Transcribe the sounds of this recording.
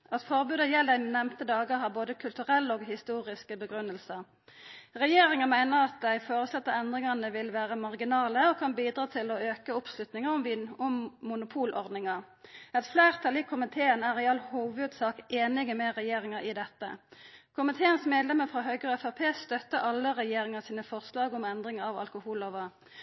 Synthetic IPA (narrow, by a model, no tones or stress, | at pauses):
ɑt̪fɔʁbʉːd̪əjɛld̪æɪnɛmt̪əd̪ɑːɡəʁɦɑʁboːd̪əkʰʉlt̪ʉʁɛlːoːɡɦɪst̪uːʁɪskəbəɡʁʉnəlsəʁ | ʁɛjeːɾɪŋəmæɪnəʁɑt̪̚d̪æɪfoːʁəslɛt̪ːəʁɛnd̪ʁɪŋɑnəʋɪlʋæːʁəmɑʁɡɪnɑːləɔkʰɑnbiːd̪ɾɑːt̪ʰɪlɔøːkəʊpslʉt̪nɪŋəʁʊmʋʊmmʊnʊpʰuːlʔɔ̰ʁd̪nɪŋɑ | ɛt̪flæːʁt̪ʰɑlɪkʰʊmɪt̪ʰeːənæːʁɪɑlhuːʋʉd̪sɑːkeːnɪɡəmɛʁɛjeːʁɪŋəʔɪd̪ɛt̪ːə̰kʰʊmɪt̪ʰeːənsmeːd̪lɛməʁfʁɑːɦœʏɡʁɛfæpʰeːst̪œt̪ːəʔɑlːəʁɛjeːʁɪŋəsiːnəfɔʁslɑːɡʊmɛnd̪ʁɪŋəɑʋɑ̰lkʊhuːlɔʋɑ